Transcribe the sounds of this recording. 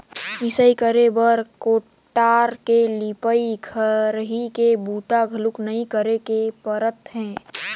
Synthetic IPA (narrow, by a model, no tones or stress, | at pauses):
ɪsəikəɾebəɾkoː | ʈːaːɾkelɪpəiɡʰʱəɾɦikebuːt̪aɡʱəlʊknəɦĩkəɾekepəɾət̪ɦɛ̃ː